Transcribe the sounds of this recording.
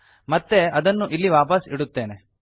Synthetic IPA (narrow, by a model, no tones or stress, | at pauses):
mɐt̪ːe̞ɐd̪ɐnːuʔilːiʋaːpɐsiɽut̪ːe̞ːne